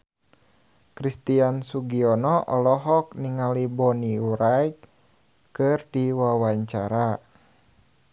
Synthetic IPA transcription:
kɾist̪iansuɡiɔnɔʔɔlɔɦɔk̚niŋalibɔniuɾajk | kɨrdiwawaɲt͡ʃaɾa

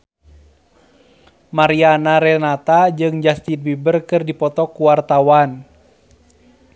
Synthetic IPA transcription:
maɾianaɾɛnat̪ad͡ʒɨŋd͡ʒast̪inbibərkɨrdipɔt̪ɔkuwart̪awan

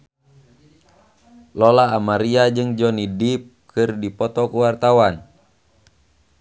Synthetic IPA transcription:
lɔlaːmaɾiad͡ʒɨŋd͡ʒɔnidip̚kʰɨrdipɔt̪ɔkuwart̪awan

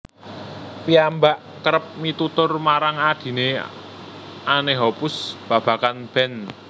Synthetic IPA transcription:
piambaʔ | kəɾəp̚mit̪ut̪ʊrmaɾaŋad̪̥i̤ne | aneɦɔpʊsb̥a̤b̥ä̤kanb̥ɛ̤n

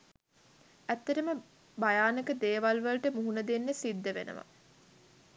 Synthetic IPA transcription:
æt̪ːɐʈəmə | bajaːnəkəd̪eːʋalʋɐlʈəmuɦunəd̪enːesid̪ːəʋḛnə̰ʋɐ̰

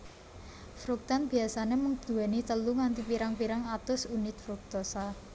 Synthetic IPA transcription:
fɾuk̚t̪anb̥iasaneməŋd̪̥uɛnit̪əluŋant̪ipiɾaŋpiɾaŋat̪ʊsunɪt̪̚fɾuk̚t̪osa

